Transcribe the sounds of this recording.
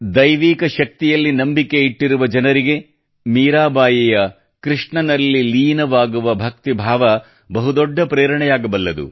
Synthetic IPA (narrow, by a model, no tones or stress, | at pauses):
d̪ɐjʋiːkɐʃɐk̚t̪ijɐlːinɐmbike̞iʈːiɾuʋɐd͡ʒɐnɐɾiɡe̞ | miːɾaːbaːjijɐ | kɾiʂɳɐnɐlːiliːnɐʋaːɡuʋɐbʱɐk̚t̪ibʱaːʋɐ | bɐɦud̪ɔɖːɐpɾeːɾɐɳɛjaːɡɐbɐlːɐd̪ṵ